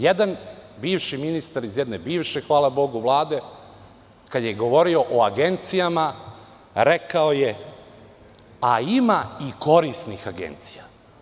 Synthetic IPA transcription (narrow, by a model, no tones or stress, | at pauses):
jed̪anbiːʋʃiminist̪aɾizjed̪ne̞biːʋʃexʋaːlabo̞ɡuʋlˠaːd̪e̞ | kad̪jeɡo̞ʋo̞ɾio̞ʔoaɡe̞nt̪sijama | ɾe̞kaoje | aimaiko̞ɾisnixaɡe̞̰nt̪si̥ja